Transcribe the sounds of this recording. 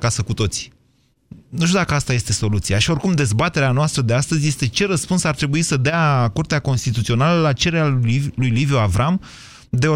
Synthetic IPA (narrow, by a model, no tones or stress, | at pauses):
asəkut̪o̞t̪si̥ | nuʃ̬t̪ʲud̪akəast̪aje̞st̪e̞so̞lut̪siaʃio̞rkumd̪e̞zbat̪e̞ɾeanoast̪ɾəd̪e̞ast̪əzʲje̞st̪e̞t͡ʃe̞ɾəspunsart̪ɾe̞buisəd̪eakurt̪eako̞nst̪it̪ut̪sio̞naləlat͡ʃe̞ɾeɾealujlivjoavɾam | d̪eo